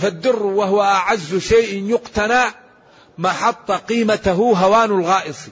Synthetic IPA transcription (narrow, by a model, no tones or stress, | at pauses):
fad̪ːɪrːwaɦʊwaʔaʕazːʃajʔɪnjʊqt̪ana | maħɑt̪ˤːɑqiːmat̪aɦuɦawaːnalɣɑːʔɨsˤi